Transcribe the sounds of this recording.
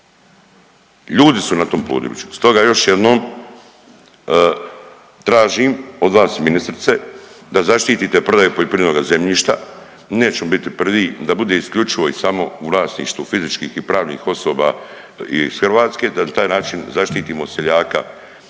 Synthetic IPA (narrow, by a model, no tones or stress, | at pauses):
ʎuːd̪isunat̪o̞ːmplṵːd̪o̰jḭt͡ʃu̥st̪o̞ɡajo̞ʃjed̪no̞ːm | t̪ɾaːʒiːmo̞d̪ʋlaːst̪minist̪ɾit̪se̞d̪azaʃt̪iːt̪it̪e̞pɾo̞d̪ajepo̞lʎe̞pɾienoːɡaze̞mʎiːʃt̪a̰ | ne̞ːt͡ɕemobit̪ipr̩ʋiːd̪abud̪e̞iskʎut͡ʃiʋo̞isamo̞uʋlˠaːsnḭːʃt̪ufizit͡ʃkiːxipɾaːʋnḭːxo̞so̞ːba̰ | ḭsxr̩ʋaːt̪ske̞ːd̪anat̪aːjnaːt͡ʃinzaʃt̪iːt̪iːmo̞seʎaːka̰